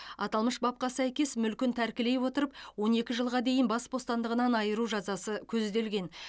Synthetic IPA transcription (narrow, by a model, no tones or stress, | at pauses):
ɑt̪ɑlˠməʃbɑp̚qɑsæjkʲe̞smʏlkʲɪnt̪ʰæɾkʲɪle̞jwo̞t̪əɾəp̚wo̞ne̞kʲɪʒəlˠʁɑd̪e̞jəɪnbɑsbo̞st̪ɑnd̪əʁənɑnɑjəɾuʒɑzɑsəkʲʰɵzd̪e̞lɡʲe̞n